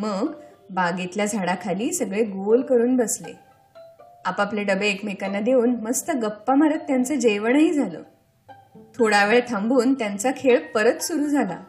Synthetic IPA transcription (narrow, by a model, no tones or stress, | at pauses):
məɡbaɡit̪ljad͡zʱaɽakʰaliːsəɡɭeɡolkəɾuːnbəslḛ | apaplaɖəbeekmekanːad̪euːnməst̪əɡəpːamaɾət̪ːjant͡səd͡ʑeʋəɳəɦiːd͡zʱalə̰ː | t̪ʰoɽaʋeɭet̪ʰãmbuːnt̪jant͡sakʰeɭpəɾət̪suɾuːd͡zʱala̰